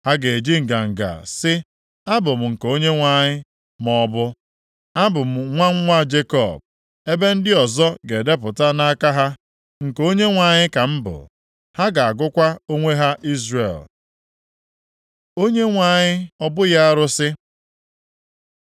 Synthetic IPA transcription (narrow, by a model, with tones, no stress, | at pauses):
ha˦ɡe˨d͡ʒi˦ŋ̩˨ɡa˨ŋ̩˨ɡa̰˨sɪ˦ | a˦bʊ˨m̩˨ŋ̩˨ko˦ɲe˦ŋʷa˨ɲɪ˦ | mɔ˦bʊ˦ | a˦bʊ˨m̩˨ŋʷa˦ŋ̩˦ŋʷa˦d͡ʒe˦kɔ̰˨b̚ | e˦be˦n̩˦dɪ˦ɔ˨zɔ˦ɡe˨de˦p̬ʊ˨ta˦na˦ka˦ɦa˦ | ŋ̩˨ko˦ɲe˦ŋʷa˨ɲɪ˦ka˨m̩˦bʊ̰˨ | ha˦ɡa˨a˨ɡʊ˦kʷa˦o˦ŋʷe˦ɦa˦ʔi˦zrḛ˨l | o˦ɲe˦ŋʷa˨ɲɪ˦ɔ˦bʊ˦ja˦a˦ɾʊ˦sɪ˦